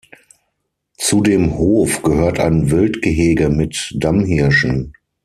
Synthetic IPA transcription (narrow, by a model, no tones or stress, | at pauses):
t͡sudeːmhoːfɡ̥əhøːɐtʰa̰ɪnvɪltɡ̥əɦeːɡəmɪtd̥amhɪɐʃn̩